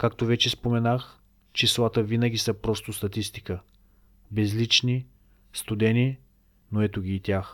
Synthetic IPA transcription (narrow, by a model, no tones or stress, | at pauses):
kakt̪ovɛt͡ʃɛspomɛnax | t͡ʃislˠat̪əvinəɡʲisəpɾɔst̪ost̪ɐt̪ist̪i̥kə | bɛzlit͡ʃni | st̪ʊd̪ɛni | noɛt̪oɡʲiːt̪ʲjax